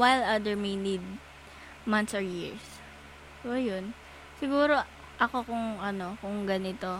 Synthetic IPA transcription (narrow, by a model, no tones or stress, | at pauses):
wajlɐd̪ɛɹminid̪̚ | mɐnt̪sɔɹjiɹs | sojon | sɪɡuːɾo̞ | ʔɐko̞kʊŋɐno̞kʊŋɡɐnɪt̪o̞